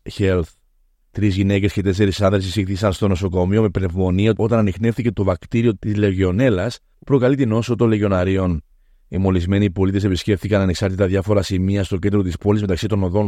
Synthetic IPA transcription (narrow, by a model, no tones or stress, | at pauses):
çelθ | t̪ɾizʝine̞ce̞sce̞t̪e̞s̬e̞ɾisɐnðɾes̬isixθisɐnst̪o̞no̞so̞ko̞mio̞me̞pne̞vmo̞niɐo̞t̪ɐnɐnixne̞fθice̞t̪o̞vɐkt̪iɾio̞t̪izleʝeo̞ne̞lɐs | pɾo̞kɐlit̪ino̞sot̪oleʝo̞nɐɾio̞n | imo̞lizme̞nipo̞lit̪e̞se̞pisce̞ft̪ikɐnɐne̞ksɐɾt̪it̪ɐðjɐfo̞ɾɐsimiɐst̪ocend̪ɾo̞t̪ispo̞lizmet̪ɐksit̪o̞noðo̞n